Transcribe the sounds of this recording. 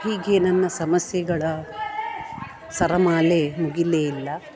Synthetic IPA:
ɦiːɡe̞nɐnːɐsɐmɐsjɐɡɐɭɐ | sɐɾɐmaːlemuɡilejilːɐ

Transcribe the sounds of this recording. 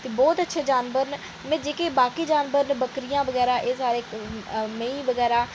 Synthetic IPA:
t̪eːbɔːt̪ətːʃʰeːd͡ʒaːnbəɾn | mɛ̃ːd͡ʒeːkeːbaːkiːd͡ʒaːnbəɾnbəkɾɪjãːbəɡɛːɾaːʔeːs̬aːɾeːkmeĩːʋəɡɛːɾaː

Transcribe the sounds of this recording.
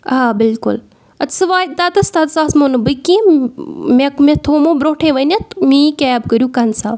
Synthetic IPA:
aːbɪlkʊ̰l | ɐt̪sɨʋaːit̪aːt̪ɐst̪ʰat̪saːsmoːnɐbɨkĩː | mekmẽt̪ʰoːmõːbɾoːʈʰẽːʋɐnʲɐt̪mĩkʲɛːbkəɾjuːkɐnsa̰ːʋ

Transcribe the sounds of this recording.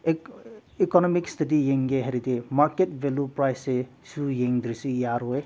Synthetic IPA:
ikɔnɔmikst̪ʰɐdijeŋɡeɦeɾid̪emaɾketbʱelupɾajse | sujeŋd̪ɾisijaɾoj

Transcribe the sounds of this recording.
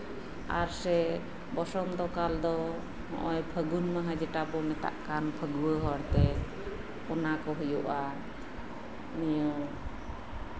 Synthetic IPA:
aɾsɛ | bɔsɔmd̪ɔkald̪ɔ | mɔ̰ʔɔjpʰəɡunməɦəd͡ʒəʈabɔmɛt̪a̰ʔkanpʰəɡwəɦɔɽt̪ɛ | ɔnakɔɦɔjuʔa | niju

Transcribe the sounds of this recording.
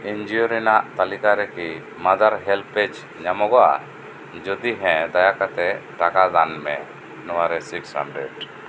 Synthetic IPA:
iɲd͡ʒiɔɾɛnaʔt̪alikaɾɛki | mad̪aɾɦɛlpɛd͡ʒ | ɲamɔɡɔʔa̰ | d͡ʒɔd̪iɦɛ̃d̪ajakat̪ɛʈakad̪anmɛ | nɔwaɾɛsiksha̰nɖɾɛɖ

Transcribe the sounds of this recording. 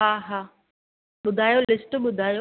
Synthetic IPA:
ɦaːɦaː | ɓʊd̪ʱaːjolɪsʈɓʊd̪ʱaːjo

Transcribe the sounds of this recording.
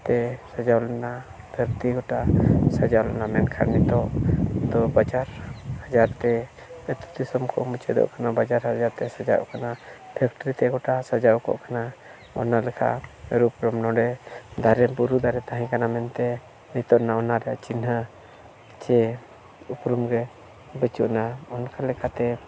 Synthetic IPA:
t̪ɛsad͡ʒawlɛna | d̪ʱəɾt̪iɡɔʈasad͡ʒawlɛnamɛnkʰaɾnit̪ɔʔd̪ɔbad͡ʒaɾhad͡ʒaɾt̪ɛ | ɛt̪u̥t̪isɔmkʰɔ̰mut͡ʃɛd̪ɔ̰ʔkanabad͡ʒaɾhad͡ʒaɾt̪ɛsad͡ʒa̰ʔkanapʰɛkʈɔɾit̪ɛɡɔʈasad͡ʒaʔɔkɔ̰ʔkana | ɔnalɛkʰa̰ɾupɾɔmnɔ̃ɖɛd̪aɾɛpuɾud̪aɾɛt̪aɦɛ̃kanamɛnt̪ɛ | nit̪ɔʔnaɔnaɾɛat͡ʃinɦa | t͡ʃɛ | upɾumɡɛ | bət͡ʃuʔnaɔnkalɛkʰat̪ɛ

